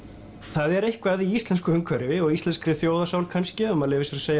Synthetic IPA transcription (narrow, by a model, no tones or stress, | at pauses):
θaðɛɾejhkvaðiist̪lɛnskʏhʏŋkʰvœɾɪvɪɔɣist̪lɛnskɾɪθjoːwðasaːwlkʰanscɪœmaðlɪːvɪsɛɾaseːja